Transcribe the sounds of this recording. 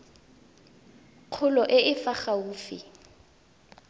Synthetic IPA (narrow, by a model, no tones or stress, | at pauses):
q͡χʰʊlɔʔɪʔɪfaχauːfɪ̰